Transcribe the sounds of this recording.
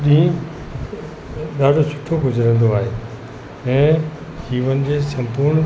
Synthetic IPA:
d̪ĩ | ɗ̪aːɖʱosʊ̥ʈʰoɡʱʊzəɾə̃ːn̆d̪oaːɦeː | ɛ̃ː | kiːʋənɪ̆d͡ʑeːsɐ̃mpuɾɳ

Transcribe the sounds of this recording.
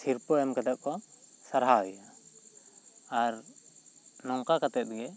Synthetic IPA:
siɾpɔɛmkad̪ɛʔ̚kɔsaɾɦaɦɔja | ɾ | nɔŋkakat̪ɛt̪̚ɡɛ

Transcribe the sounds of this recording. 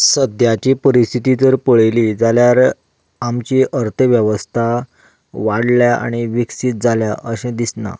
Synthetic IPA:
səd̪jat͡ɕipəɾist̪ʰit̪it̪əɾpəɭeliːd͡zaljaɾ | amt͡ɕiːʔəɾt̪ʰəʋjəʋəst̪ʰa | ʋaɽljaa̰ɽ̃iʋiksit̪̚d͡zʱaljaʔəɕẽd̪isna̰

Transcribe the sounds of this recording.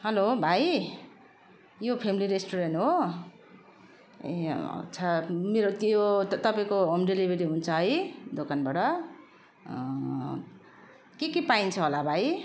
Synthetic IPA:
ɦʌlobʱaj | jopʰemiliɾesʈoɾenʈɦo | eʌ̰t͡sʰʌmeɾot̪jot̪ʌpaĩkoomɖelibʱeɾiɦunt͡sʰʌɦʌjd̪okanbaʈʌ | kekipaint͡sʰʌɦolabʱaj

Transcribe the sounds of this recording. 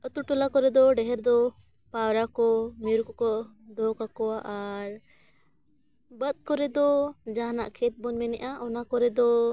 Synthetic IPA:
ət̪uʈɔlakɔɾɛd̪ɔɖɛɦɛɾd̪ɔ | pawɾakɔmiɾkɔkɔ | d̪ɔkakɔwaʔaɾ | bət̪̚kɔɾɛd̪ɔd͡ʒaɦna̰ʔkʰɛt̪̚bɔɲmɛnɛʔaʔɔnakɔɾɛd̪ɔ

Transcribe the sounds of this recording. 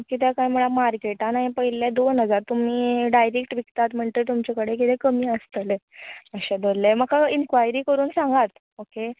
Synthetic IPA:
kit̪̬ɛkajm̤əɭamaɾkeʈãnajpəɦiljad̪onɦəd͡zaɾt̪um̤iːɖajɾekʈʋikt̪at̪m̤əɳt̪et̪umt͡ɕakəɽekit̪ɛkəmiːəst̪əleəɕed̪ollem̤əkainkʋajɾiːkəɾuːnsãŋɡat̪ | oke

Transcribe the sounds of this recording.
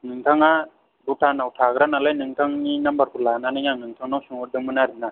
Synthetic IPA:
nɯŋtʰaŋa | butʰanawtʰaɡɾanalajnɯŋtʰaŋninambaɾkulananɯŋaŋɯŋtʰaŋnawsuŋuɾdɯmɯnaɾina

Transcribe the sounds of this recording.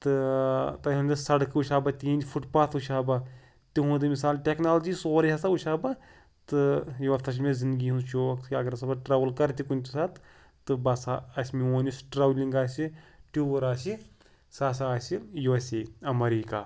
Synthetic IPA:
t̪ɨt̪ɐũnd̪ɐsɐɽkuʃaːbɐt̪iːnd͡ʒfʰuʈpaːt̪ʰuʃʰaːbɐ | t̪iɦũːd̪ɨmisaːlʈʲeːknaːld͡ʒisoːɾijasɐuʃʰaːbɐ | t̪ɨjuʋɐft̪ʰɐʃ̬mezĩnd̪ɨɡiɦunt͡ʃoːkt̪ʰʲɐɡɐɾɐsɐbɐʈɾaːʋəlkɐɾt̪ikunʲt̪isat̪ | t̪ɨbɐsaɐsʲmioːnʲusʈɾaːʋlʲiŋɡaːsiʈuːʋɐɾaːsi | saːsaːsijuʋɐseɐmɐɾiːkaː

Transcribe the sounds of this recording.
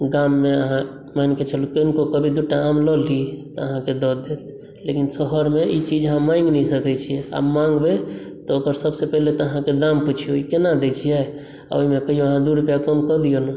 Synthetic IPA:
ɡamːeəɦã | manket͡ʃʰəlukənkokəbʱid̪uʈaamlɔlit̪ɔəɦãked̪ɔd̪et̪ | lekinsəɦəɾmeit͡ʃid͡ʒɦãmaĩŋɡnəĩsəkɛt͡ʃʰiɛa̰mãŋɡbet̪ɔːɡəɾsəbsepəɦlet̪ɔəɦãked̪amput͡ʃʰijoikenad̪et͡ʃʰijɛ | a̰oimekəijoəɦãd̪uɽpjakəmkəd̪ijonu

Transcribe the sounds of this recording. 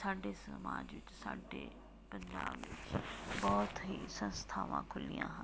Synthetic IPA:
saːɖesəmaːd͡ʒʋɪt͡ʃsaːɖe | pə̃ɲd͡ʒaːbʋɪt͡ʃbɔːt̪ɦisə̃nst̪ʰaːʋã̰kʰʊlijãːɦã

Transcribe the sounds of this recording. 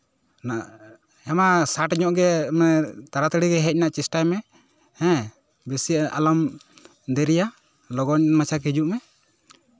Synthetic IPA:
na | ɛmasaʈɲɔʔɡɛmɛt̪aɾat̪əɽiɡɛɦɛc̚naʔt͡ʃisʈajmɛ | hɛ̃ | bɛsiaʔalɔm | d̪ɛɾija | lɔɡɔɲmat͡ʃʰakid͡ʒuʔmɛ

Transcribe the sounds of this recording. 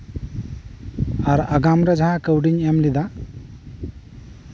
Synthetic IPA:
aɾaɡamɾad͡ʒaɦãkəwɖiɲɛmlid̪a

